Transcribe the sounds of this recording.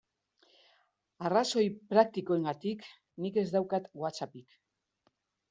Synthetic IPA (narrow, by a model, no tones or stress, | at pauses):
araso̞jpɾak̚t̪ikoeŋɡat̪ik | nike̞zd̪awkat̪ɡwat͡sapik